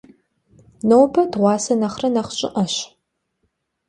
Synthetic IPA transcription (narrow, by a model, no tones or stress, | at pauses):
nowbɐdʁʷɑːsɐnɐχrɐnɐχt͡ʃʼɪ̰ʔɐɕ